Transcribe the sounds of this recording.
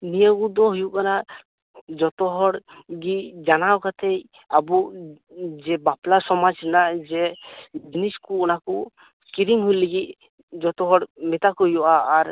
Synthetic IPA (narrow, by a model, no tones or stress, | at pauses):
nijəɡud̪ɔɦujuʔkana | d͡ʒɔt̪ɔɦɔɽɡid͡ʒanawkat̪ʰɛj | abu | d͡ʒɛbaplasɔmad͡ʒɛnaʔd͡ʒɛd͡ʒiniskuɔnaku | skiɾiŋɦujliɡic̪̚ | d͡ʒɔt̪ɔɦɔɽmɛt̪akujɔʔaːɾ